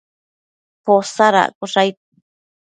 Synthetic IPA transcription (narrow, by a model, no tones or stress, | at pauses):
posaɾa̰kuʂajt̪